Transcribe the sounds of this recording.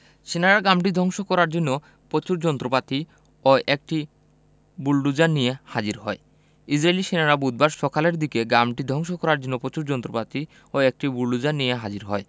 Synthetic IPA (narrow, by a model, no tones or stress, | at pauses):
ʃenaɾaɡamʈ̬id̪ʱɔŋʃokɔɾaɾd͡ʑonːo | pot͡ɕuɾd͡ʑɔnt̪ɾopat̪i | oʔek̚ʈi | bulɖud͡ʑanijehad͡ʑiɾɦɔe | isɾeeliʃenaɾabud̪̚baɾʃɔkaleɾd̪ikeɡamʈid̪ʱɔŋʃokɔɾaɾd͡ʑonːopot͡ɕuɾd͡ʑɔnt̪ɾopat̪i | oek̚ʈibulɖud͡ʑanijeɦad͡ʑiɾɦɔe